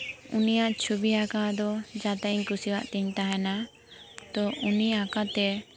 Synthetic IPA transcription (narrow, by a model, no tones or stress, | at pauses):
unijaʔt͡ʃʰubiakad̪ɔd͡ʒat̪aiɲkusiwa̰ʔt̪ɛɲt̪aɦɛna | t̪ɔʔuniakat̪ɛ